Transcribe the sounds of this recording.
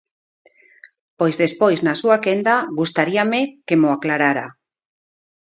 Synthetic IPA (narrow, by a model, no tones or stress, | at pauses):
pojzðespojznasuakend̪aɣust̪aɾiamekemoaklaɾaɾa